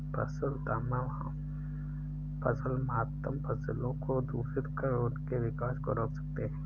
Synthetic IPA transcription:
pɐ̰səlt̪aːmaɦɐ | pɐzəlmɐat̪ːəmpɐzlõkod̪uːsɪɾkəɾʊnkeʋɪkaːʃkoɾoːksɐ̥k̚t̪eɦɛ̃ː

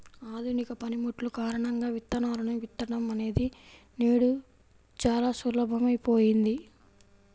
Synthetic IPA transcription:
aːd̪ʱunikɐpɐnimuʈlukaːɾɐɳɐŋɡaːʋit̪ːɐnaːɾɐnuʋit̪ːɐɽɐmɐne̞ːd̪i | neːɽu | t͡ʃaːlaːsulɐbʱɐmɐjpoːjind̪i

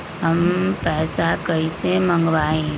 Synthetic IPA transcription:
ɦəmpɛːsakəisemə̃ŋɡʋaːẽ

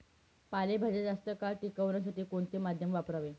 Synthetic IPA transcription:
palebʱad͡ʑed͡zast̪əkaɭʈikəʋɳjas̬aʈiːkoɳt̪emad̪ʱjəmʋapɾaʋe

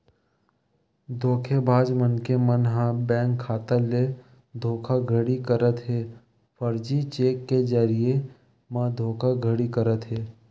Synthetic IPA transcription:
d̪ʱoːkʰebʱaːd͡ʒmənkemənɦãbɛ̃ːŋkʰːaːt̪əle | d̪ʱoːkʰaɡʱəɽikəɾət̪ɦeː | fʰəɾd͡ʒit͡ʃeːkːed͡ʒaɾie | mãːd̪ʱoːkʰaɡʱəɽikəɾət̪ɦeː

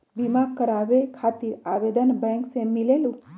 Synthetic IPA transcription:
bimakkːəɾaʋekʰat̪iɾaʋed̪ənbɛ̃ŋksemilelũ

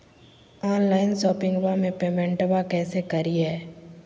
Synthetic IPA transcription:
ɔːnlaːɪnʃɔːpɪ̃ŋɡʋamẽpeːmɛ̃ɳʈbakɛːsekɐɾiɦɛː

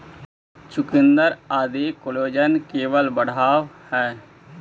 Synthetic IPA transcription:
t͡ʃʊkɪnd̪əɾaːd̪eːkoloːd͡ʒənkeːʋəlbəɽ̤aːʋhɛː

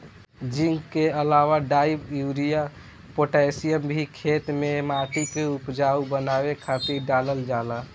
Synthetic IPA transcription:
d͡ʒiŋɡkeəlawaɖaibjuɾija | poʈasijəmbʱikʰet̪memat̪ikeupd͡ʒaubənabekʰat̪iɾɖaləld͡ʒala

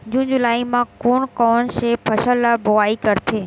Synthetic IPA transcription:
d͡ʑũːnd͡ʑʊlaːimãkoːɽ̃kɔːnʃeːpʰɐʃəlabʊaːikəɾt̪ʰeː

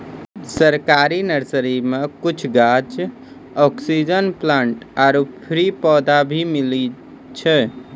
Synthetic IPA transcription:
səɾkaɾinəɾsəɾimekut͡ʃʰɡat͡ʃ | ɔksid͡ʒənplaɳʈaɾupʰɾipɔd̪abʱimili | t͡ʃʰɛ

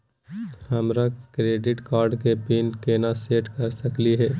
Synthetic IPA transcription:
hɐmɾakɾeːɖɪʈkaːɾɖkepiːnkeːnaseːʈkɐɾsɐkliɦɛː

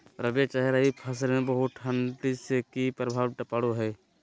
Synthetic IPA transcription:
pɾəbet͡ʃəɦeɾəɦipʰəs̬ɾmẽbəɦʊt̪ʰənʈiskipɾəbʱaːʋʈəpaɽuɦɛː

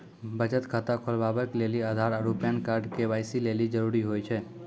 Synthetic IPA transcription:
bəd͡ʒət̪kʰat̪akʰolʋabəkleliad̪ʱaɾəɾupjankaɾɖkeʋajsilelid͡ʒəɾuɾiɦojt͡ʃʰe

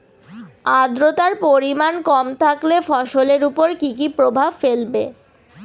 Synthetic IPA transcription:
ad̪ɾot̪aɾpoɾimankɔmt̪ʰaklefɔʃoleɾupoɾkikipɾobʱabfelbe

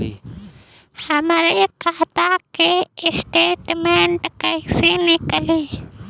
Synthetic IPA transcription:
həmɾekaɦt̪akeɪsʈeːʈmẽɳʈkəisenɪkəli

